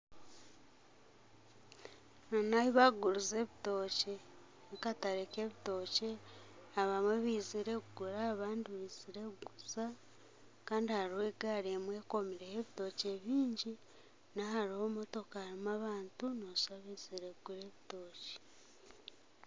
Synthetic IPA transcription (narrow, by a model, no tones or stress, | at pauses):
nanaβiβaɡuɾuze̞βito̞ːce̞ | kataɾeke̞βito̞ːce̞aβamweβiːziɾe̞kuɡuɾaːβaːndiβiːz̥iɾeuɡuza | kaːndihaɾihe̞ɡaɾemwe̞ko̞miɾeheβito̞ce̞βiːɲɟi | naɦaɾiho̞mo̞to̞kahaɾimaβaːntunosaβiːz̥iɾeuɡuɾe̞βito̞ːce̥